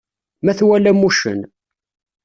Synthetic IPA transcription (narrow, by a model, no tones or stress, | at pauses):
mæθwælæmuʃə̰n